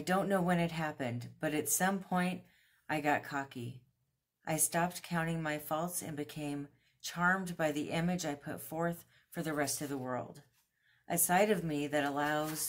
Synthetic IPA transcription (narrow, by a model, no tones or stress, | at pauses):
ɪdõʊ̃nːoʊwɨ̃nɨt̚ɦæpɨ̃ndb̥ʌɾɨtsʌ̃mpʰɔ̃ɪ̃nt | ʔaɪɡɑt̚kʰɑki | ʔaɪstɑp̚tkʰãʊ̃ɾ̃ɪ̃ŋmaɪfɔlˠtsɨ̰̃nbɨkʰẽɪ̃m | t͡ʃʰɑɹmbaɪðiʔɪ̃mɨd͡ʒaɪpʰʊ̰tfɔɹθ | fə˞ðɨɹɛstʌvðəwɜ̰˞lˠd | ʔɨsaɪɾʌvmiðɨɾəlaʊz̥